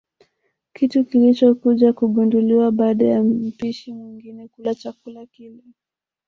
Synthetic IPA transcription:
kitukilit͡ʃɔkuʄakuɠunduliwaɓaːɗajamm̩piʃimwiŋɡinɛkulat͡ʃakulakilɛ

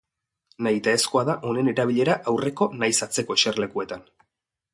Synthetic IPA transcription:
najt̪aesko̞aðaʔo̞ne̞ne̞ɾaβiʎe̞ɾaʔawre̞ko̞najsat͡se̞ko̞ʃerle̞kue̞t̪an

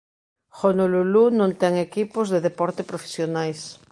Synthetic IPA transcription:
xonolulunõnt̪ɛŋekipozðeðepɔɾt̪epɾofe̥sjonajs

